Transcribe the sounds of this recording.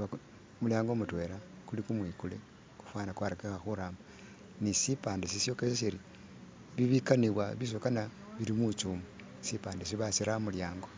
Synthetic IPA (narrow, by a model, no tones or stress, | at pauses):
a | muljaːŋɡo̞mutwe̞ːɾakulikumwiːkule | ku̥fwaːnakwaɾekexaxuɾaːmba | nisipaːndesisjo̞kesesiɾi | βiβikaniβwaβis̬okana | βiɾimut͡ʃumu | sipaːndes̬iβasiɾamuljaːŋɡo̞